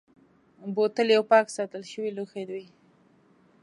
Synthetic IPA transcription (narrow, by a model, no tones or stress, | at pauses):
bot̪əljawpɑksɑt̪əlʃəwiluxed̪wij